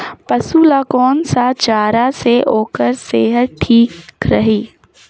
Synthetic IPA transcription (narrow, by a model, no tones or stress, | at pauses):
pɐsuːlakɔːnsat͡ʃaːɾaseʔoːkəɾseːɦət̪̚ʈʰiːkkɾɐɦiː